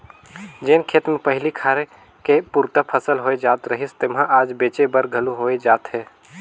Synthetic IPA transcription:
d͡ʒeːnkʰeːt̪mẽpəɦɪlikʰaːɾe | kepuːɾt̪əpʰəsəlɦoːed͡ʒaːt̪ɾəɦɪst̪ɪmɦãʔaːd͡ʒbeːt͡ʃebəɾɡʱəluɦoːed͡ʒaːt̪ɦɛː

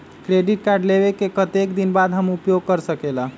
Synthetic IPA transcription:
kɾeɖiʈ̚kaɾɖleβekekət̪ekd̪inbad̪ɦəmupjoɡ̚kəɾsəkela

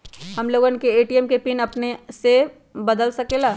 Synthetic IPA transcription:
hɐmloːɡənkeeːʈiɛmkepinɐpnese | bɐd̪əlsɐkelaː

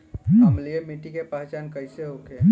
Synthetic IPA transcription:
nmliemiʈikepaːɦt͡ʃankəɪseokʰe

